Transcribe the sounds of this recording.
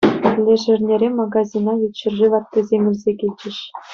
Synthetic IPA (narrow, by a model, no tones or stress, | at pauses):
lʲeʐɘ̆rʲnʲeɾʲemɑɡɑzʲinɑjʲit̪ʲɕɘ̆rʐɘʋɑt̪ːɤ̆zʲemʲɘ̆lʲzʲekʲilʲt͡ɕɘ̆ɕ